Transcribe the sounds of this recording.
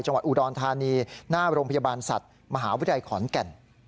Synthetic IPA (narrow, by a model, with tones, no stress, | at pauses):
jt͡ɕa˧ŋwa˨t̪̚ʔuː˨˩dɔː˧nt̪ʰaː˧niː˧naː˥˩ɾoː˧ŋpʰja˧baː˧nsa̰˨˩t̪̚ | ma˧ɦaː˩˦wu˦˥˧a˧jkʰɔː˩˦nkɛ˧˩n